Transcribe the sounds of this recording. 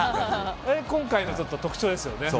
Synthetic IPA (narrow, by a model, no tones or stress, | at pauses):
ekõ̞ŋkainot͡ɕo̞t̪ːot̪o̞kɯ̟̥t͡ɕo̞ːd̪e̞sɨjo̞ne̞